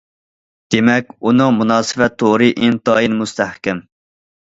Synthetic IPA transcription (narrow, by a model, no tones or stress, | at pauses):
d̪̥emɛkʲunɨŋmunɑːsɨvɛt̪ʰːoʁɾɨʔint̪ɑːjinmust̪æhkʲɛm